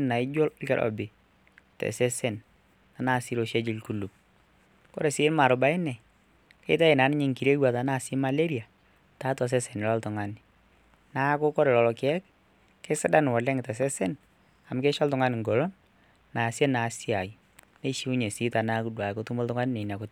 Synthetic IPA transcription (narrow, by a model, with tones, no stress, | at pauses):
na˨ɪ˦d͡ʒo˦kɛ˦lʔɔ̰˨bɪ˨ | tɛ̰˨sɛ˦sɛ˦˨n | a˨na˦˨si˦lo˦ʃe˦d͡ʒɪ˨˦lku˦˨lu˨p̚ | kɔ˦ɾe˨sɪ˦lma˨ɾʊ˨ba˦ɪ˦nɛ˨ | kḛ˦t̬a˦i˨na˨˦nɪ˦ɲɪ˦ŋki˨ɾe˦wa˨ta˨˦na˦˨sɪ˦ma˨le˦ɾi˨a˨ | ta˦tɔ˨s̬ɛ˦sɛ˨nɪ˨lɔ˦ltʊ˨ŋa˨nɪ˨ | na˦kʊ˦kɔ˦ɾe˨lɔ˨lɔ˨kɛ˦k | ke˦sɪ˦da˦n˨wɔ˨lɛ˦ŋ˨tɛ˨s̬ɛ˦sɛ˦n | a˨m˦ke˦ʃɔ˦ltʊ˦ŋa˦nɪ˨ŋɡɔ˨lɔ˦n | na˨sjɛ˦na˨˦si˦a˨j | ne˦ʃi˦u˦ɲe˨si˦ta˨na˦ku˦dwa˨ko˦tu˦mo˦ltʊ˦ŋa˦nɪ˦ne˨na˨ko˦t